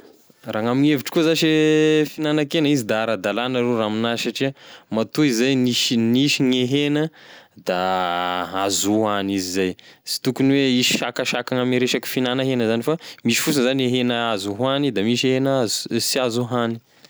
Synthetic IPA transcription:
raːŋamineviʈ͡ʂkuəzaʃefinanakenəizid̪aaɾad̪alanəɾeraːminaʃaʈ͡ʂimat̪uizajniʃniʃiŋeɦenəd̪a | azuɦanizizajsi̥t̪ukuniweisi̥ʃakaʃakaŋameɾeʃaki̥finanaɦenəzanifamiʃi̥fusinzanieɦenəazuɦanid̪amiʃeɦenaazsiazuɦani̥

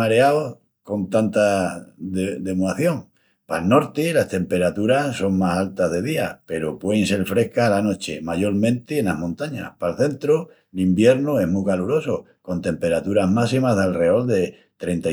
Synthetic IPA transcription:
aɾeao | ko̞nt̪ant̪aðeðe̞muaθjo̞ŋ | palno̞ɾt̪ilast̪e̞mpe̞ɾat̪uɾaso̞ŋmasalt̪azðe̞ðiape̞ɾopweense̞lfɾe̞hkalano̞t͡ʃe̞maʝo̞ɾmẽ̞nt̪ienaɦmõnt̪aɲa̰hpalθe̞nt̪ɾo | limbje̞ɾnue̞ɦmukaluɾo̞so | ko̞nt̪e̞mpe̞ɾat̪uɾaɦmasimazðelre̞o̞ld̪e̞ | t̪ɾe̞nt̪a

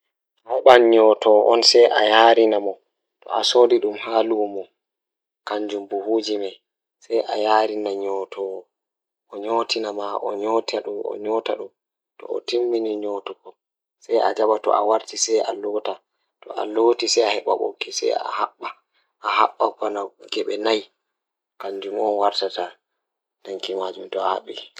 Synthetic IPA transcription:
ahɛɓanɲɔtʰɔʔɔnsɛjʔa̰jaːɾinamɔ | tɔ̰asoːdiɗumhaːlumɔ | kaɲd͡ʒumbuhuːd͡ʒimaj | sɛjʔajaːɾinaɲɔːtʰɔ | ʔɔɲotinamaʔɔɲɔtaɗumɔ̰ɲɔta̰ɗum | tɔ̰ɔ̰timːiniɲɔtukɔ | sajʔa̰d͡ʒabatɔ̰ʔa̰waɾtisɛjalɔːta | tɔ̰ʔa̰lotisɛjahɛɓa̰ɓo̰kːisɛ̰ja̰haɓːa | ʔahaɓːakɔnaɡɛɓɛnaj | kaɲd͡ʒumɔnwaɾtata | naŋkimad͡ʒumtɔaha̰ɓːi

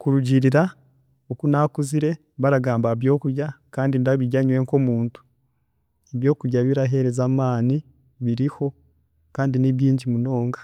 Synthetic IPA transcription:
kuɾuɟiɾiɾa | okunakuziɾe̞ | βaɾaɡaːmbaβjo̞ːkuɾjakaːndindaβiɟaɲwe̞ŋko̞muːntu̥ | eβjo̞ːkuɾjaβiɾaɦe̞ɾezaːmaːni | βiɾiho̞ | kaːndiniβiːɲɟimuno̞ːŋɡḁ

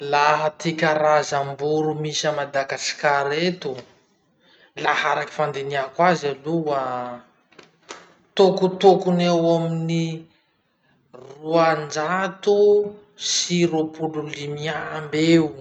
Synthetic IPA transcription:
laɦət̪ikʲaɾazambuɾumisəmad̪aɡasi̥kaɾet̪u | lahaɾaki̥fand̪eniakwazaluwa | t̪okut̪okunewamini | ruand͡ʒat̪u | siɾopululimiambewu

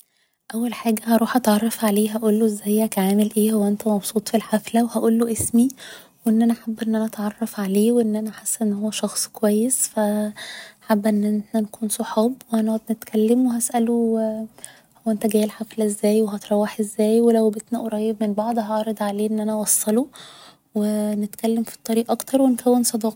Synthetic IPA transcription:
ʔæwːælħaːɡæhɑɾˤuːħʔɑt̪ʕɑrˤːɑfʕaleːɦæʔuːlːoʔezːæjhækæʕaːmelʔeːhowːæʔent̪æmɑbsˤuːt̪ˤfilħaflæwehæʔuːlːoʔesmi | weʔenːʔænæħabːʔenːʔænæʔɑt̪ʕɑrˤːɑfʕaleːweʔenːʔænæħasːʔenːhowːæʃɑxsˤkowæjːesfæ | ħabːʔenːʔnænkuːnsoħɑːbweʔænoæd̪net̪kʰælːemweɦæsʔælo | howːʔent̪æɡæːjelħaflæʔezːæːjweɦɑt̪ɾˤɑwːeħʔezːæːjwelæwbet̪næʔoɾˤɑjːebmenbɑʕd̪ˤɦɑʕɑɾˤed̪ˤʕaleːʔenːʔænæwɑsˤːɑlo | wenet̪kælːemfi̥t̪ˤːɑɾiːʔʔɑkt̪ɑɾˤwenkʰæwːensˤɑd̪ˤɑːq

